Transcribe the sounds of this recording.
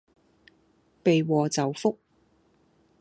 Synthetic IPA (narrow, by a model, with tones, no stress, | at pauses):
pe˨jwɔː˨t͡sɐ˨wfʊ˥k̚